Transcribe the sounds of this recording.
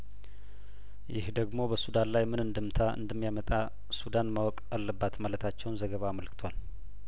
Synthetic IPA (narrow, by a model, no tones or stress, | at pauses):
jɪ̰hd̪əɡmo̞bəsud̪anlajmɨnɨnd̪ɨmt̪ʰaɨ̰nd̪əmːijamət̪ʼa | sud̪anmawɔkʼalːəbːat̪malət̪ʰat͡ʃːɛwnzəɡəβaməlkʰɨ̥t̪ʰwal